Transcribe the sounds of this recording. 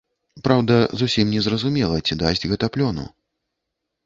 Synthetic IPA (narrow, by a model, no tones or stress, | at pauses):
pɾawd̪ɐzusʲimnʲɛzrɐzumʲɛlˠɐt͡sʲid̪asʲd͡zʲɣɐt̪aplʲɔnṵ